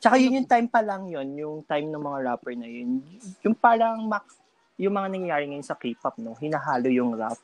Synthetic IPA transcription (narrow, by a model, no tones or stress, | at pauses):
t͡ʃɐkajʊnjʊŋt̪ajmpɐlɐŋjo̞njʊŋt̪ajmnɐŋmɐŋaɹapɛɹnɐjonjʊŋpaːɾɐŋmɐk | jʊŋmɐŋanɐŋjɐjaːɾɪŋɐjonsɐkiːpɐp̚no̞hɪnɐɦaːlojʊŋɹap